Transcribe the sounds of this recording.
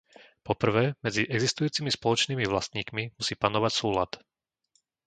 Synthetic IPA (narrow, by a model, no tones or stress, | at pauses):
pɔpr̩ʋɛːmɛd͡ziʔɛɡzist̪ujuːt͡simispɔlɔt͡ʃniːmiʋlast̪ɲiːkmimusiːpanɔʋacsuːlat̪